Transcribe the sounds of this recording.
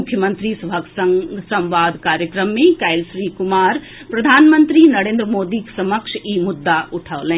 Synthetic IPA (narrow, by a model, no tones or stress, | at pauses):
ʊkʰːjəmə̃nt̪ɾisɐbʱəksŋsɐ̃mʋaːd̪ʱkaːɾjəkɾəmːẽkɐɪlsɾiːkʊmaːɾ | pɾɐd̪ʱaːnmə̃nt̪ɾiːnɐɾẽːnd̪ɾəmoːd̪iːksɐməkʃiːmʊd̪ːaʔʊʈʰəːlɛ̃ː